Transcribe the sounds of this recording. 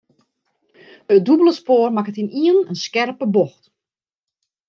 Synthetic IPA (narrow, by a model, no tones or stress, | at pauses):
ədubələspoːrmakətiniənənskɛrpəboxt